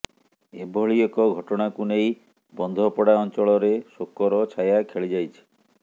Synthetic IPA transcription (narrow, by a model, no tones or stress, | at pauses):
ebʱɔɭiɔkɔɡʱɔʈɔɽ̃akunej | bɔnd̪ʱɔpɔɽaɔnt͡ʃɔɭɔɾesokːɔɾɔt͡ʃʰajakʰeɭid͡ʒajt͡ʃʰi̥